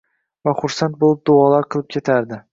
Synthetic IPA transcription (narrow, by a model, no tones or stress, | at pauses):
vaχʊɾsant̪̚bolˠɪp̚d̪ʊɒlaɾqʰɨlˠɪp̚kʲʰe̞t̪ʰaɾd̪ɪ